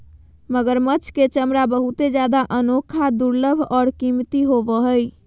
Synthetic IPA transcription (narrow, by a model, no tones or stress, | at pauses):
məɡəɾmət͡ʃʰket͡ʃəmɾabəɦut̪ed͡ʒad̪aʔənokʰad̪uɾləbʱɔːɾkimt̪iɦobəɦəj